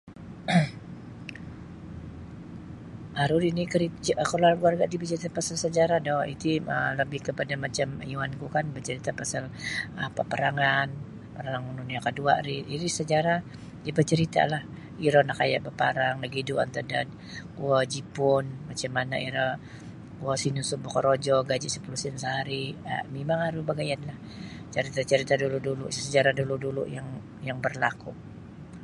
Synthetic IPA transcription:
ʔaɾuɾinikəɾikəloarɡuarɡaʔdibət͡ʃəɾit̪apasalsəd͡ʒaɾadɔhḭt̪iə̰ləbɪhkəpadamat͡ʃamjuankukanbət͡ʃəɾit̪apasalapapəɾaŋan | pəɾaaŋununiakədua̰ʔɾiʔiɾisəd͡ʒaɾa | dibət͡ʃəɾit̪a̰lah | iɾɔnaka̰ja̰ʔbapaɾaŋləɡidua̰nt̪adad̪̚ | kuad͡ʒipʊnmat͡ʃamːana̰iɾə | kuasinusubɔkəɾod͡ʒɔɡad͡ʒisəpulusinsəɦaɾia̰mimaŋaɾubaɡajanlah | t͡ʃəɾit̪at͡ʃəɾit̪aduluduluʔsəd͡ʒaɾaduludulṵjaŋ | jaŋbərlaku

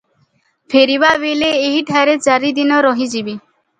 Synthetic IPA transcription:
pʰeɾibabeleːɦiʈʰaɾet͡ʃaɾid̪inɔɾɔɦĩd͡ʑibi

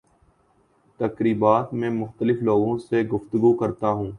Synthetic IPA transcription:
t̪ɐkɾiːbaːt̪mẽːmʊxt̪əlɪfloːɡõseɡʊft̪ʊɡukəɾt̪aɦũː

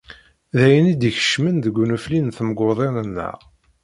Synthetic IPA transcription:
ðæjənid̪içə̥ʃmənðəɡʷːunuflinθməɡoðˤenənːə̰ʁ

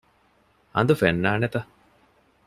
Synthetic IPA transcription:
ɐ̰nd̪ufenːaːnet̪ɐ

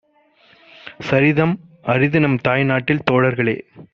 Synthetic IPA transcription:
sɐɾɪðɐmʔɐɾɪðɪnɐmt̪aːjnaːʈːɪlt̪oːɽɐɾɣɐɭḛː

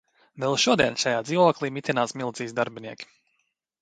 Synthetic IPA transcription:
vɛlˠʃuɔd̪iɛnʃajaːd̪ziːʋuɔklˠiːmit̪ʲinaːsmilˠt̪ziːzd̪aɾbʲiniɛkʲi̥

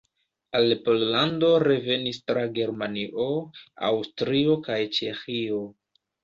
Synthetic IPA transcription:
alpollando̞ɾe̞ve̞nistɾaɡe̞ɾmaniʔo̞a̰wstɾio̞kajt͡ʃe̞xio̞

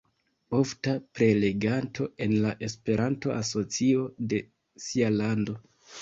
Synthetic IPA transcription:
o̞ftapɾe̞le̞ɡantʰo̞e̞nlaʔe̞spe̞ɾanto̞ʔaso̞t͡sio̞de̞ | sialando̞

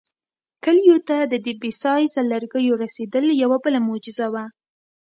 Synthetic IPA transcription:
kəlijot̪ad̪əd̪ibisɑjsalaɾɡəjoɾased̪əljawabəlamod͡ʒɪzawa

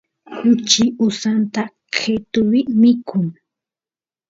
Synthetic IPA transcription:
hʊt͡ʃɪʊsant̪a | kʰet̪ʊwɪmɪkʰʊŋ

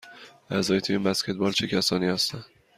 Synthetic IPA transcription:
ʔæzɒːjet̪ʰiinbæscʰe̞t̪̚bɒːlt͡ʃʰe̞cʰæsɒːniːhæst̪ænd̪

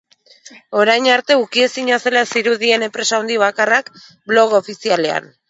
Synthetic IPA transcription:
o̞ɾajɲaɾt̪e̞ukie̞siɲase̞lasiɾuðie̞ne̞mpɾe̞saond̪iβ̞akarak | blo̞ɣ̞oːfisiale̞a̰n

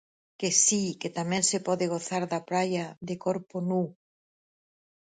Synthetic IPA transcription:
kesiket̪amɛ̃nsepɔðɪɣ̞oθaɾðapɾajaðɪkoɾponu

